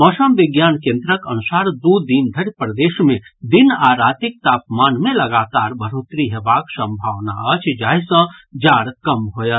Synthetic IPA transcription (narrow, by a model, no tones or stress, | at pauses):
mɔːsəmʋɪɡjaːnkẽnd̪ɾəkənusaɾd̪ud̪ind̪ʱəɽpɾəd̪eːʃmẽd̪inaːɾat̪ik̚t̪aːpmaːnmẽləɡaːt̪aɾbʱəɾot̪ɾiɦebaksə̃mbʱaʋna̰ət͡ʃʰd͡ʒaːisə̃d͡ʒaːɾkəmɦojət̪